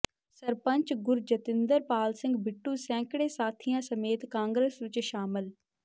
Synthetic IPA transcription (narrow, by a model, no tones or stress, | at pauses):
səɾpəɲt͡ʃɡʊɾd͡ʒət̪ɪnd̪əɾpaːlsɪ̃ŋɡbɪʈːuːsɛ̃ːkɽeːsaːt̪ʰijãːsəmeːt̪kãːŋɡɾesʋɪt͡ʃʃaːmɪl